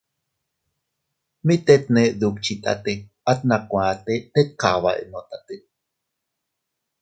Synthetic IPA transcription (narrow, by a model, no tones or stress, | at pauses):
mit̪et̪̚neʔðukt͡ʃʰit̪a̰t̪e | at̪̚nakʷãt̪et̪et̪̚kaβa̰ʔḛnot̪at̪e